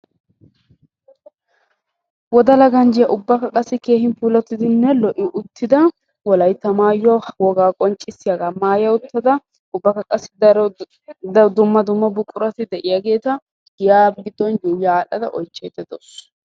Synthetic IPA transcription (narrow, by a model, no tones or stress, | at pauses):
wɔd̪ɐlɐɡɐnd͡ʒɪjɐʔʊbːɐkɐkʼɐsːɪke̞ːhɪnpuːlɛt̪ːɪd̪ɪnːɛlɔʔɪʔʊt̪ːɪd̪ɐ | wɔlɐjt̪ːɐmaːjːɔwɔɡaːkʼɔnt͡ʃʼːɪsːɪjaɡaːmaːjɐʊt̪ːɐd̪ɐ | ʊbːɐkɐkʼɐsːɪ | d̪ʊmːɐd̪ʊmːɐbʊkʼːʊɾɐt̪ɪd̪ɛʔɪjaɡe̞ːt̪ɐ | jaːb̚ɡɪd̪ːɔnjujaːlɐd̪ɐ̰ʔɔjt͡ʃːeːd̪ɛd̪ɔs